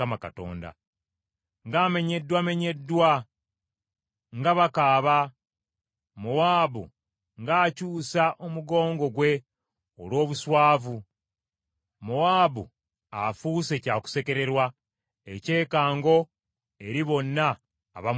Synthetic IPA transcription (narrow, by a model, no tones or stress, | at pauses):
amakato̰ːnda̰ | ŋɡaːme̞ɲe̞dːwame̞ɲe̞dːwa | ŋɡaβakaːβa | muwaːβṵ | ŋɡaːcuːsaʔomuɡo̞ːŋɡo̞ɡwe̞ | o̰lwo̞ːβuswaːvu | muwaːβu | afuːse̞caːku̥se̞ke̞ɾe̞ɾwa | ece̞ːkaːŋɡo̞ | e̞ɾiβo̞nːa̰ː | βa